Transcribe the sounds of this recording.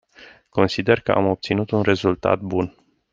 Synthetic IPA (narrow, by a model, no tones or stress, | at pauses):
ko̞nsid̪e̞rkəʔamo̞p̚t̪sinut̪unre̞zult̪a̰t̪̚bun